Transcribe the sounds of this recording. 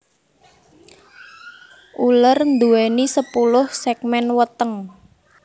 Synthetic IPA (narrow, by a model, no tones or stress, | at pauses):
ʔulərnd̪uwɛnisəpulʊhsɛk̚mɛnwət̪əŋ